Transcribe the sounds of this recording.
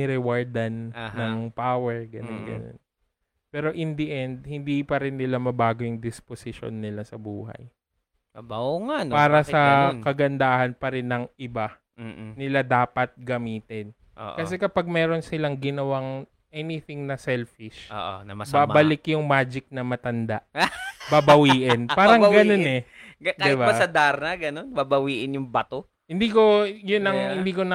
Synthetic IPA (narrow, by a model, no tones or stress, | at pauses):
ɛɾɛwaɹd̪ɐnːɐŋpawɛɹɡɐnonɡɐ̰no̰n | pɛːɾo̞ʔɪnd̪iʔɛnd̪̚hɪnd̪ipɐɾɪnːɪlamɐbaːɡojʊŋd̪ɪsposɪʃo̰nːɪlasɐbuːɦɐ̰j | ɐbaoŋanpaːɾɐsɐkɐɡɐnd̪aːhɐnpɐɾɪnːɐŋʔɪba | nɪlad̪aːpɐt̪̚ɡɐmiːt̪ɪn | ʔo̰ʔkɐsɛkɐpaɡ̚mɛːɾo̞nsɪlaŋɡɪnɐwaŋ | ʔɛnɪθɪŋnɐsɛlfɪʃo̰ʔo̰nɐmɐbaːbɐlɪkjʊŋmaːd͡ʒɪk̚nɐmɐt̪ɐnd̪aʔbabɐwiːʔɪnpaːɾɐŋɡɐo̞nɛɡɐdkːd̪ɪbaɐsɐd̪aɾnɐɡɐnonbabɐwiːʔɪnjʊŋbɐt̪o | hɪnd̪iːko̞jʊnɐŋhɪnd̪iːkonɐ